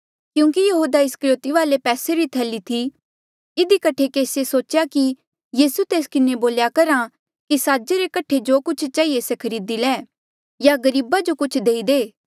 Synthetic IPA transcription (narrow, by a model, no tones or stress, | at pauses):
kjũːŋkijɐɦuːd̪aɪskəɾɪjoːt̪iʋaːlepɛːseɾit̪ʰɛːlit̪ʰi | ɪd̪ikɐʈʰekeːsesoːt͡ʃjaki | jiːsut̪eːskɪneboːljakɐɾa | kisaːd͡ʒeɾekɐʈʰːed͡ʒokʊt͡ʃʰt͡ʃaːiesɛkʰɐɾiːd̪ilɛː | jaɡɐɾiːbad͡ʒokʊt͡ʃʰd̪eːid̪eː